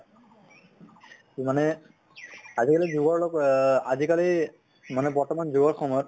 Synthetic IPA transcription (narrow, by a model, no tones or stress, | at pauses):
manɛ | azikalizuɡɔɹlɔkazikali | manɛbɔɹtɔmanzuɡɔɹkʰɔmɔɹ